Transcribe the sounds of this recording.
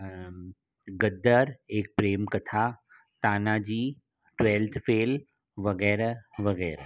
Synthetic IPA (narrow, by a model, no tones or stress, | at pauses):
ɡəd̪əɾeːk̚pɾeːmkɐt̪ʰa | t̪aːnad͡ʑiː | ʈʋeːlt̪ʰfeːl | ʋɐɣɛːɾʋɐɣɛːɾ